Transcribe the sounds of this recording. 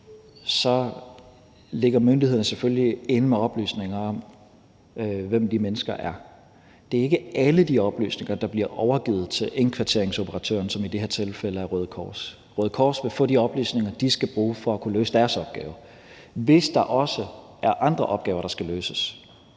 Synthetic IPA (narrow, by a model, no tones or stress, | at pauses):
sɒ̽ | le̝ɡ̥ɐmønd̥iheðˠn̩əseføllie̝nəmeɒ̽b̥ly̰ːsne̝ŋɐɒ̽m | ʋemd̥imenəsɡ̥ɐʔæɐ | d̥e̝æɐe̝ɡ̥əʔæləd̥iɒ̽b̥ly̰ːsne̝ŋɐd̥ɑ̈b̥liɐʔɒʊɐɡ̥ið̩ˠt͡sʰe̝lenkʰʋɑ̈t͡sʰe̝ɐe̝ŋso̝pʰəʁɑ̈t͡sʰø̰ːɐnsɒ̽mid̥e̝heɐt͡sʰe̝lfeləæɐʁøːð̞ˠkʰɒ̰ːs | ʁœːð̞̩ˠkʰɒ̰ːsʋe̝fɔ̰̽ːd̥iɒ̽b̥ly̰ːsne̝ŋɐd̥isɡ̥æb̥ʁuːfɒ̽ækʰuløːsəd̥æɐsɒ̽b̥̚ɡ̥ɛ̰ːʊɐ | ʋe̝sd̥ɑ̈ʔɒ̽sə | ʔæɐʔɑ̈nd̥ʁɐʔɒ̽b̥ɡ̥ɛ̰ːʊɐɾ̥ɑ̈sɡ̥æløːsəs